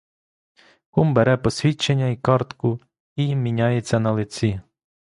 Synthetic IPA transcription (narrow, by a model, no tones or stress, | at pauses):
kumbeɾɛpɔsʲʋʲit͡ʃːenʲːɐikɑrt̪kʊ | imʲinʲɑjet͡sʲːɐnɐlˠɪt͡sʲi